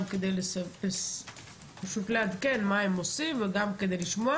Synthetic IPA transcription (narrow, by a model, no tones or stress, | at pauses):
ked̪ejlesaes | paʃut̪lead̪kenmaemosimveɡamked̪ejliʃmoa